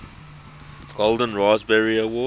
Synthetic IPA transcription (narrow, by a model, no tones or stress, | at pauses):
ɡ̥olˠdə̃nɹaːzbɛɹiəwɔː